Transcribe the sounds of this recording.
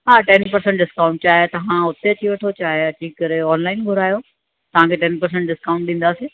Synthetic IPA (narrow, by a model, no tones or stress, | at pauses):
ɦaːʈɛnpɐɾsɛ̃ɳʈɖɪskaʊ̃ɳʈ̚t͡ɕaːɦet̪ɐʋãʊt̪eɐt͡ɕʰiʋɐʈʰot͡ɕaːɦeɐt͡ɕiːkɐɾeɔːnlaːɪnɡʱʊɾaːjo | t̪ɐʋ̤ãkʰeːʈɛnpɐɾs̬ə̃ɳʈɖɪskaːʊ̃ɳʈ̚ɗĩːn̆d̪aːseː